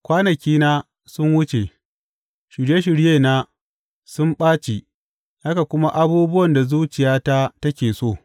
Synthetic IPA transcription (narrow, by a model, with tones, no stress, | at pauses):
kʷaː˦nɐ˨kʲiː˦naː˦ | sʊ˦nwʊ˦t͡ʃe˨ | ʃɪ˨ɾje˦ʃ̬ɪ˨ɽjeː˦˨na˦ | sʊ˦mɓaː˦t͡ʃe˨ | ha˦ka˨kʷʊ˦ma˦ʔa˦buː˦bʊ˦wɐ˨nda˨zuː˦t͡ʃɪ˨jaː˦ta˦tɐ˦kʲeː˨soː˦˨